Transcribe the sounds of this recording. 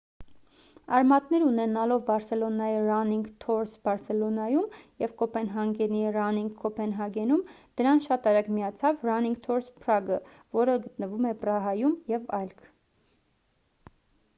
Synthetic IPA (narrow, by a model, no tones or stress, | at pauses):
ɑɾmɑt̪nɛɾunɛnɑlɔvbɑɾsɛlɔnɑirɑniŋɡt̪ʰɔɾsbɑɾsɛlɔnɑjumjɛvkɔpɛnɦɑŋɡɛnirɑniŋɡkʰːɔpɛnɦɑɡɛnum | d̪̥əɾɑnʃɑt̪ɑɾɑkmijɑt͡sʰɑvrɑniŋɡ̚t̪ʰɔɾspʰɾɑɡə | vɔɾəɡət̪nəvumɛprɑɦɑjumjɛvɑjlkʰ